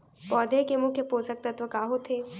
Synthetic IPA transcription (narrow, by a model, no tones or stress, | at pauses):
pɔːd̪ʱekemukepoːsək̚pɾɐt̪ʋəkaːɦot̪ʰeː